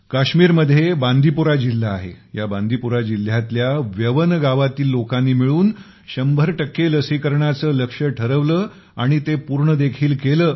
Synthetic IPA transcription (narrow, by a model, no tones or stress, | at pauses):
kaɕmiːɾməd̪ʱːjebãnd̪ʱipuɾad͡ʑil̤ːaːɦḛ | jabãnd̪ʱipuɾad͡ʑil̤jat̪ljaʋjəʋənɡaʋat̪iːlːokanːiːmiɭuːn | ɕəmbʱəɾʈəkːeləsikəɾɳat͡səːləkʂəʈʰəɾəʋləː | aɽ̃it̪epuɾɳəd̪ekʰiːlkeləː